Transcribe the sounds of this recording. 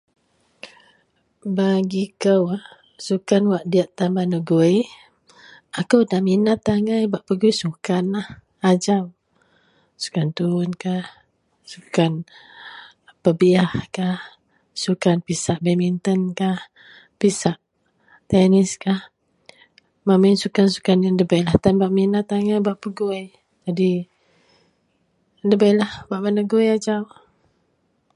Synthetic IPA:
baɡikəwah | sukanwaʔdiaʔt̪ambanuɡoi | akəwdahminat̪ːaŋajbaʔpəɡuisukanah | ad͡ʒam | su̥kant̪uʊnkah | sukan | pəbiahkah | sukanpisaʔbemint̪ənkah | pisaʔ | t̪ɛnɪskah | maminsukansu̥kanjandəbajlaht̪anbaʔminat̪aŋabaʔpəɡoj | d͡ʒadi | ndəbajlahbaʔpənəɡojad͡ʒaw

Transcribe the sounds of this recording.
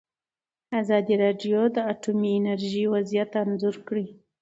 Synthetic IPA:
azɑd̪iɾɑɖjod̪əaʈumiɪnaɾʒiwazijat̪anzʊɾkɽi

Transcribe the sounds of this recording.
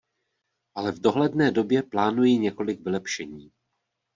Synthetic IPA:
ʔalɛvdo̞ɦlɛdnɛːdo̞bjɛplaːnujiɲɛko̞lɪkvɪlɛpʃɛɲiː

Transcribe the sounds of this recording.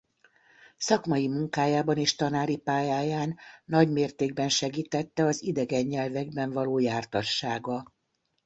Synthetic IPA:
sɒkmɒjimuŋkaːjaːbɒneːʃt̪ɒnaːɾipaːjaːjaːnːɒɟmeːrt̪eːɡ̚bɛnʃɛɡiːt̪ɛt̪ːɛɒzid̪ɛɡɛɲːɛlvɛɡbɛɱvɒloːjaːrt̪ɒʃːaːɡɒ

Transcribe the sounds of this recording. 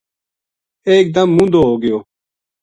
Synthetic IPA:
eːk̚d̪əmːũnd̪oːɦoːɡɪjoː

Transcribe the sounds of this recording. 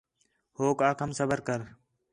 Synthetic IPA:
hoːkaːkʰəmsəbəɾkəɾ

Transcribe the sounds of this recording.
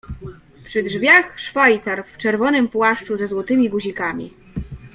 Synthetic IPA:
pʂɘdʐvʲjaxʂfajt̪saɾft͡ʂɛɾvɔnɘmpwaʂt͡ʂuzɛzwɔt̪ɘmʲiɡuʑikamʲḭ

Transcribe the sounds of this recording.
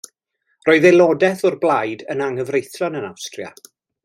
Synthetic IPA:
roːɨðɛlˠɔdɛθɔrblˠajdənaŋəvrejθrɔnəna̰wstrja̰

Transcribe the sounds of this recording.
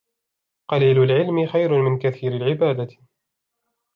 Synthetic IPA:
qɑliːlʊlʕɪlmɪxajɾʊmɪnkaθiːɾalʕɪbaːd̪a

